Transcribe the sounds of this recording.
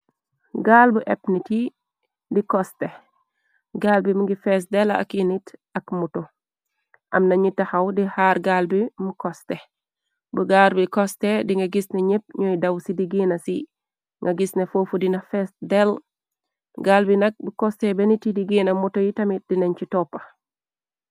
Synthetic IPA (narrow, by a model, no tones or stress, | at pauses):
ɡaːlbuʔɛpniti | dikɔste | ɡaːlbimuɡifɛs̬dɛla̰kinitɐkmuto | ʔɐ̰mnɐɲitːɐxɐwdihaːɾɡalbimukɔstɛ | buɡaɾbikɔstediŋɡɐɡisnɛɲep̚ɲɔjdɐwsidiɡinɐsi | ŋɡɐɡisnefofudinɐfɛsdɛl | ɡaːlbinɐk̚bukɔstebɛnitidiɡiːnɐmutojitɐmit̚dinɛɲt͡ʃitɔpːɐ̥